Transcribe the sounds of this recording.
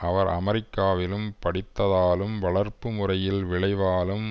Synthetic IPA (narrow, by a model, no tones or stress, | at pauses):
ɐʋɐɾɐ̰mɛɾɪkːaːʋɪlɯmpɐɽɪt̪ːɐðaːlɯmʋɐɭɐɾpɯmʊrɐjɪlʋɪɭɐɪʋaːlɯm